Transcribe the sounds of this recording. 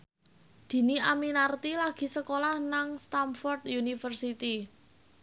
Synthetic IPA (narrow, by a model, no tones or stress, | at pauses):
d̪̥i̤niaminart̪ilaɡ̥i̤səkolahnaŋst̪amfɔrt̪junifərsit̪i